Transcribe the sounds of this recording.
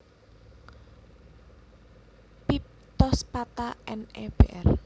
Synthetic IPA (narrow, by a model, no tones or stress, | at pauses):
pip̚ | t̪ɔspat̪aʔɛnɛb̥eʔɛr